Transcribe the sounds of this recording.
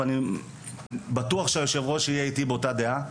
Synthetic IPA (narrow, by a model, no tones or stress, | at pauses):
ani | batuaχʃeajo̞ʃe̞vʁo̞ʃeijeitibeotadea